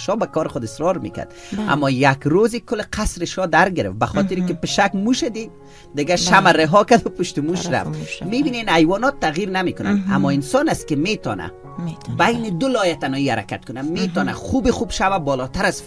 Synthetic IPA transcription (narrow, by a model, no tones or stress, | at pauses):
ʃɔbakɔɾɪxʊd̪ɪsɾɔɾmḛka̰d̪̚ | a̰mːɔjakɾozikʊlɪqʰasɾɪʃɔd̪aɾɡɪɾɪ̰f̚baxɔt̪ɪɾɪkɪpɪʃakmuʃɪd̪i | d̪ɪɡaʃamaɾɪɦɔkad̪ʊpʊʃt̪ɪmuʃɾa̰ft̪mibinenajwɔnɔt̪ːaɣiɾnamekʊna̰na̰mːɔɪnsɔnas̚kɪmet̪ɔ̰na̰ | bajnɪd̪ʊlɔjat̪anɔjihaɾa̰ka̰t̪̚kʊnamet̪ɔna̰xubɪxubʃawabɔlɔt̪aɾaz